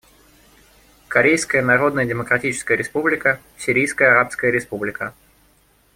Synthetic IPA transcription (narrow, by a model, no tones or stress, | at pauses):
kɐɾʲejskəjənɐɾo̞d̪nəjədʲɪməkɾɐtʲit͡ɕɪ̥skəjəɾʲɪspublʲɪkə | sʲiɾʲijskəjəɐɾapskəjəɾʲɪspublʲɪkə